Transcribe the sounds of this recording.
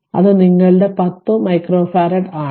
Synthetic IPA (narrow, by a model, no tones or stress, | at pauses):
ɐ̰ðɨniŋːɐɭɨɽe̞pɐt̪ːomɐjkroːfaːɾɐʈaː